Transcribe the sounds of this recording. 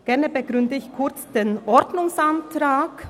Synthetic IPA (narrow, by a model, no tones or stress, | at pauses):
ɡ̥ɛʁnəbəɡʁʏndəɪçkʰʊʁt͡sd̥eːnʔɔɾdnʊŋsantʁaːk